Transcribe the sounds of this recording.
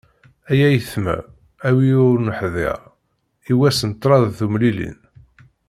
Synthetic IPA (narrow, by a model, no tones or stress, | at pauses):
æjæjəθmæ̰ | æwiʊɾnəħðɪ̰ɾˤ | iwæsənt̪ːˤɾˤɑðθumlilḭn